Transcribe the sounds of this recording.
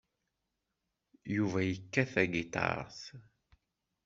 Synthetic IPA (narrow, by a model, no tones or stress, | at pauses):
juvæjəkːæθæɡit̪ˤɑ̰ɾ̰ˤθ